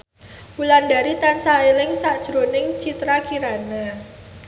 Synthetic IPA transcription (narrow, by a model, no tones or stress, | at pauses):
pulandaɾit̪ansaelɪŋsaʔd̥ʒ̥ɾonɪŋt͡ʃit̪ɾakiɾana